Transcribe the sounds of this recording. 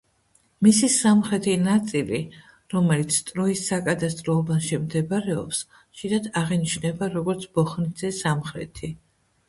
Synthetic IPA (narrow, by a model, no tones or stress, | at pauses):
misisamχɾɛt̪ʰinat̪sʼili | ɾɔmɛlit̪sʰt̪ʼɾɔisːakʼad̪ast̪ʼɾɔːbanʃimd̪ɛbaɾɛɔ̰ps | ʃiɾad̪aʁɛniʃnɛbaɾɔɡɔɾt̪sʰb̥ɔχnid̪zɛsamχɾɛ̰t̪ʰi